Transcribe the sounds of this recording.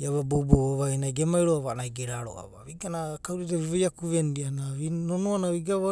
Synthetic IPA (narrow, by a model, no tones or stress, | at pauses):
jaβabobooβajnajɡemajɾoaβanajɡeɾaɾo̰ʔa̰βa̰βiɡanakawɾiteβiβojakuβendianaβinonoanaβiɡaβa